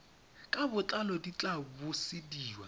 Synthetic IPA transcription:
kʼabʊt͡ɬʼalɔdit͡ɬʼabʊsɪdiːwa

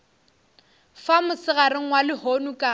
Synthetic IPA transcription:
famʊsɪɣaɾɪŋ̩walɪhonukʼa

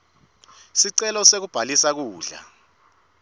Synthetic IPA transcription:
siǀɛlɔsek̬ub̥ʱalisak̬uːɮa̰

